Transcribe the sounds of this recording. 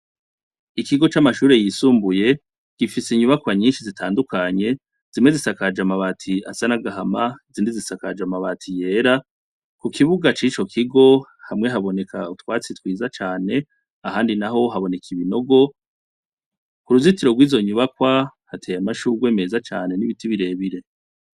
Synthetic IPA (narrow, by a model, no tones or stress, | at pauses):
ikiɡo̞t͡ʃamaʃuːɾe̞jisuːmbuje̞ | ɡ̥ifiseiɲuβakwaɲiːnʃizitʰaːndukʰaɲe̞ | z̥imwe̞zisakad͡ʒamaβatʰiasanaɡaɦamaziːndizisakad͡ʒamaβatʰije̞ɾa | kukiβuɡat͡ʃit͡ʃo̞kʰiɡo̞hamŋe̞ɦaβo̞ne̞kʰautwaːt͡sitwiːzat͡ʃaːne̞ | aɦaːndinaɦo̞ɦaβo̞ne̞kʰiβino̞ɡo̞ | kuɾuzitiɾo̞ɡwiːzo̞ɲuβakwahatʰeːjamaʃuːɡwe̞ːme̞ːzat͡ʃaːne̞niβitiβiɾe̞ːβiɾe̞